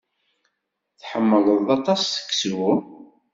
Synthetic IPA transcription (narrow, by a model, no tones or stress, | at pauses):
θħəmːəlˤəðɑt̪ˤɑsθə̥kːswu